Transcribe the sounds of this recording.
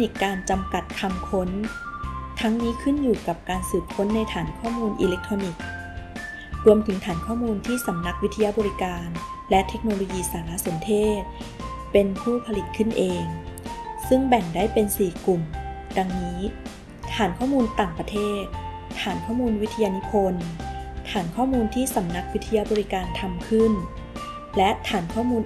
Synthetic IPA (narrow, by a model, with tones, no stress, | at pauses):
ni˨˩kkːaː˧nt͡ɕa˧mka˨˩t̪̚kʰa˧mkʰo˦˥n | t̪ʰa˦˥ŋniː˦˥kʰɯ˥˩njuː˨˩ka˨˩p̚kaː˧nsɯː˨˩p̚kʰo˦˥nːa˧jt̪ʰaː˩˦nkʰɔː˥˩muː˧nʔḭː˧le˦˥k̚t̪ʰɾoː˧ni˨˩k̚ | ɾu˧əmt̪ʰɯ˩˦ŋt̪ʰaː˩˦nkʰɔː˥˩muː˧nt̪ʰiː˥˩sa˩˦mna˦˥k̚wi˦˥t̪ʰːa˧ja˦˥bɔː˧ɾi˦˥kaː˧nlɛ˦˥t̪ʰe˦˥k̚noː˧lo˧jiː˧saː˩˦la˦˥so˨˩˦nt̪ʰeː˥˩t̪̚pe˧npʰuː˥˩pʰa˧li˨˩t̪̚kʰɯ˥˩nʔeː˧ŋ | sɯ˥˩ŋbɛ˨˩ŋdaː˥˩jpe˧nsiː˨˩klu˨˩mda˧ŋniː˦˥ | t̪ʰaː˩˦nkʰɔː˥˩muː˧nt̪aː˨˩ŋpɾa˧t̪ʰeː˥˩t̪̚ | t̪ʰaː˩˦nkʰɔː˥˩muː˧nwi˦˥t̪ʰa˧ja˧nu˦˥pʰo˧nt̪ʰaː˩˦nkʰɔː˥˩muː˧nt̪ʰiː˥˩sa˩˦mna˦˥k̚wi˦˥t̪ʰːa˧ja˧˥bɔː˧ɾi˦˥kaː˧nt̪ʰa˧mkʰɯ˥˩n | lɛ˦˥ʔt̪ʰaː˩˦nkʰɔː˥˩muː˧n